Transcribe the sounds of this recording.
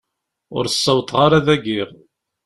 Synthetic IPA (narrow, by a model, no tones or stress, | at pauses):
ʊ̰ɾsˤːəwt̪ˤʁaɾaðæɡiʁ